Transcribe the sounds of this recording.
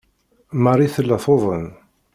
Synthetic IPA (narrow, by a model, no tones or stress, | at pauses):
mɑɾˤiθəlːæθoðˤən